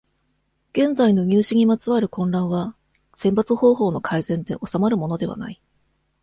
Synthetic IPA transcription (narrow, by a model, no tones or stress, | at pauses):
ɡ̥ẽ̞nd͡zaino̞ɲ̟ʲɨːɕiɲ̟imat͡sɨβaɾɯ̟kõ̞nɾãɰ̃βa | sẽ̞mpat͡sɨho̞ːɦo̞ːno̞kʰaizẽ̞nd̪e̞̰ʔo̞samaɾɯ̟mo̞no̞d̪e̞βa̰na̰i